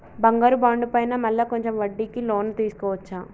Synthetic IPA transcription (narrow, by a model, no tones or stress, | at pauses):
bɐŋɡɐːɾubaːɳɖupɐjnɐmɐlːɐkoɲt͡ʃemʋɐɖːiːkiloːnːt̪iːsu̥kɔːʋɐt͡ʃːaː